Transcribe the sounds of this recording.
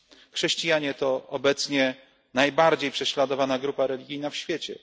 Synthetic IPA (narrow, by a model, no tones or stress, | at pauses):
xʂɛɕt͡ɕijaɲɛt̪ɔɔbɛt̪sɲɛ | najbaɾd͡ʑejpʂɛɕlad̪ɔvanaɡɾupaɾɛlʲiɡʲijnafɕfʲjɛt͡ɕɛ̰